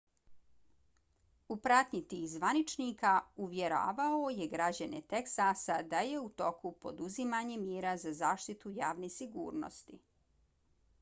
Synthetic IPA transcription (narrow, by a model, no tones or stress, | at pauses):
upɾat̪ɲit̪iːxzʋanit͡ʃnikauʋjeɾa̰ːʋaoje̞ɡɾad͡ʑanḛt̪eksasad̪aje̞ut̪o̞kupo̞̰d̪uzimaɲemjeːɾazazaːʃt̪it̪ujaːʋnesiɡṵːɾno̰st̪i